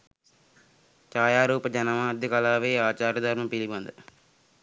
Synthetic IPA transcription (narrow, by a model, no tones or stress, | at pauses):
t͡ʃaːjaːɾuːpɐd͡ʒɐnɐmaːd̪ikɐlaːʋeːaːt͡ʃaːɾɐd̪ʱɐɾmɐmpilibɐnd̪ɐ